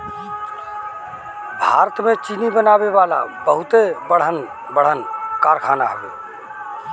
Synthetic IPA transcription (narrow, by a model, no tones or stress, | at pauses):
bʱa̰ɾət̪met͡ʃinibənabeβala̰bəɦut̪ebəɽ̤ən | bəɽ̤ənkaɾkʰanaɦəbḛ